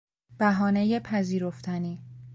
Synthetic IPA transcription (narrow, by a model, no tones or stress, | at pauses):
b̥æɦɒːneje̞pʰæziːɾo̞ft̪ʰæniː